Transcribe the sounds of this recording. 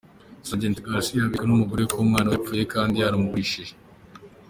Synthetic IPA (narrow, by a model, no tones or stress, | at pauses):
saɟeːntiɡaɾsiaβikanumuɡuɾekuːmŋaːnawap͡fuːje̞kaːndihaɾamuβiʃe